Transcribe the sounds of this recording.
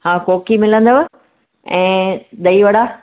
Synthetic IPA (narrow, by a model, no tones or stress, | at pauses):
hãːkoːkimɪlə̃nd̪əʋ | ɛ̃ːd̪ɐiʋɐɽaː